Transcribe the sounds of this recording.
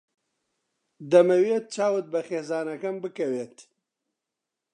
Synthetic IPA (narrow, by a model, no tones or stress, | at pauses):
d̪ɐmɐweːt̪̚t͡ʃaːwɨt̪̚bɐxeːzaːnɐkɐmbɨkɐweːt̪